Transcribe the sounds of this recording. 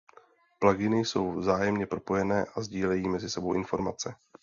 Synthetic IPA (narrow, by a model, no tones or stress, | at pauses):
plaɡɪnɪjso̞wvzaːjɛmɲɛpɾo̞po̞jɛnɛːʔazɟiːlɛjiːmɛzɪsɛbowʔɪnfo̞ɾmat͡sɛ